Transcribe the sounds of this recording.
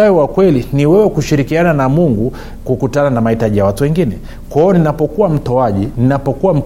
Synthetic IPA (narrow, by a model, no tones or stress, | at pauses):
aiwakwɛliniwɛwɛkuʃiɾikiananamuŋɡu | kukutananamahitaʄijawatuwɛŋɡinɛ | kaɔninapɔkuwam̩tɔaʄininapɔkuwam̩